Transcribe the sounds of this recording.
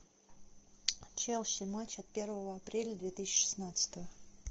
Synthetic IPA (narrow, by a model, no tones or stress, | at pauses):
t͡ɕelˠɕɪmat͡ɕɐt̪̚pʲe̞rvəvəɐpɾʲelʲəd̪vʲet̪ɨsʲt͡ɕːɪ̥ʂɨ̥snat̪sə̥t̪əvə